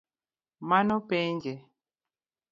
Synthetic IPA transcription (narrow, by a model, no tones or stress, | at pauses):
manɔpɛɲd͡ʒɛ